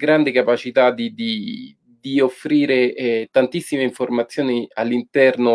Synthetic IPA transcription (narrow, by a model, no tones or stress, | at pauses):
ɡɾand̪ekapat͡ʃit̪ad̪id̪i | d̪iofːɾiːɾeɛt̪ant̪isːimeiɱformat̪sːjoːnialːint̪ɛrno